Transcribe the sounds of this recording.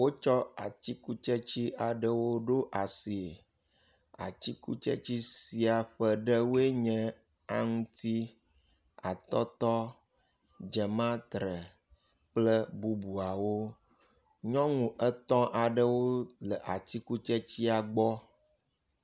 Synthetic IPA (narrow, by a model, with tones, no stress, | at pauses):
wo˦t͡ʃɔ˦a˨t̪i˦ku˦t͡ʃɛ˦t͡ɕi˦ʔa˨ɖə˦wo˦ɖo˦ʔa˨si˨e˨ | a̰˨t͡ɕi˦kṵ˦t͡ʃɛ̰˦t͡ɕi˦si˨a˨ɸə˨ɖə˦wo˦e˦ɲɛ̃˦ | a̰˦ŋũ˦t̪i˦ | a̰˨t̪ɔ˦t̪ɔ˦ | d͡ʒɛ˨mã˦t̪ɾə˨ | k͡plə˦bu˦bu˨a˨wo˦ | ɲɔ̃˦ŋũ˨ʔə˦t̪ɔ̃˦ʔa˨ɖə˦wo˦lə˨ʔa˨t̪i˦ku˦t͡ʃɛ˦t͡ɕi˦a˨ɡ͡bɔ˦